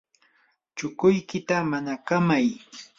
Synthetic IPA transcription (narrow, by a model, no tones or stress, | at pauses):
t͡ʃʊkʊjkɪt̪amanakamaj